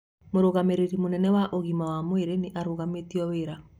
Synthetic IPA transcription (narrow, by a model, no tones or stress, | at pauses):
moɾoɣameɾeɾimonɛnɛwaʔoɣimawamoweɾeneʔaɾoɣametiɔweɾa